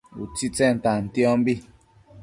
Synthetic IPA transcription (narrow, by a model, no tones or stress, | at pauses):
ṵt͡sit͡sɛn̩tan̩tjɔ̃mbi